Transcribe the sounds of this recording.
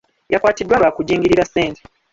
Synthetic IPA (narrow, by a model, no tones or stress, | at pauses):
jʔakwaːtidːwaβakuɟiːŋɡiɾiɾaseːntʰe̥